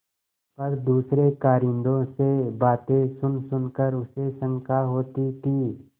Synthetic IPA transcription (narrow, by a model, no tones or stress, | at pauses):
pɐɾd̪uːsɾekaːɾɪ̃nd̪õsebaːt̪ẽsʊnsʊnkəɾʊsesə̃ŋkaɦoːt̪it̪ʰiː